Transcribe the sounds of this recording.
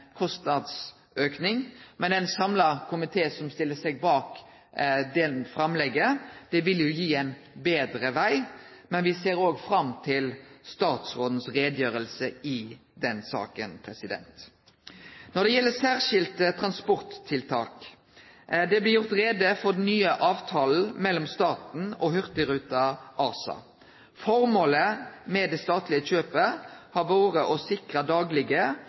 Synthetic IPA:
kʰɔst̪nɑd̪s | øːknɪŋmɛnɛɪnsɑmlɑkʰʊmɪt̪ʰeːsɔmst̪ɪlːəsɛɡ̚bɑːk | d̪ɛnfɾɑmlɛɡːəd̪̥ɛʋɪljʊjiːæɪn | beːd̪ɾəʋæɪ | mɛnʋɪseːɾoːɡfɾɑmt̪ʰɪlst̪ɑːt̪sʁoːd̪n̩sɾeːd̪jøːɾəlsəɪd̪ɛnsɑ̰ːkənpʰɾɛsɪd̪ɛ̰nt̪ | nɔd̪ɛjɛlːəsæːʁʂɪlt̪t̪ʰʁɑnspɔʁt̪ʰːɪlt̪ʰɑːk | d̪ɛblɪjʊʁt̪ɾeːd̪əfɔd̪ɛnnyːəʔɑːʋt̪ʰɑːl̩mɛlːɔmst̪ɑːt̪n̩ɔhʏʁt̪əɾʉːt̪ɑʔɑːsɑ̰ | fɔɾmoːləmɛd̪ɛst̪ɑːt̪lɪəc͡çøːpəhɑʋoːʁəʔɔsɪkʁəd̪ɑːɡlɪɡə

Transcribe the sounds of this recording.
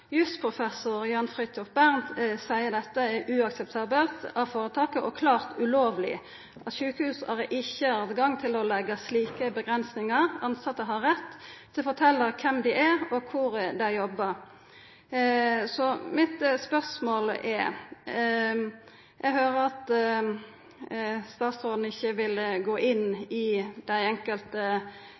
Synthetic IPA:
jʉst̪pʰɾʊfɛsʊɾjɑnfɾʁɪt̪ʰːɔfbæʁnt̪sæɪəɾd̪ɛt̪ːəɛʔʉɑksɛp̚t̪ʰɑːbəlt̪ɑʋfoːɾət̪ʰɑːkəʔɔkʰlɑːɾt̪ʉloːʋlɪ̰ | ʔɑt̪ʃʉːkəhʉːsɑɾʔɪçːəɑːd̪ɡɑŋt̪ʰɪlɔlɛɡəsliːkəbəɡɾɛnsnɪŋəɾɑnsɑt̪ːəɦɑɾɛt̪ː | ɪfɔʈ̪ʰɛlːəɾkʰɛmd̪ɪʔæɾɔkʰʊɾd̪æɪjɔbːəɾ | sɔmɪt̪spœʁsmoːlɛɾ | jʔɛɡhøːɾəɾɑt̪ | st̪ɑːt̪sʁɔːd̪n̩ɪçːəʋɪlɡoːʔɪnːɪd̪̥æɪɛŋkəlt̪ə

